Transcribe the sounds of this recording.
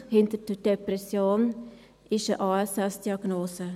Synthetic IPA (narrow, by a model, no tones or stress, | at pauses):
hɪntəd̥əd̥eprɛsjoːn | ʔɪʃəʔɑːɛsɛsd̥iɑɡnoːsə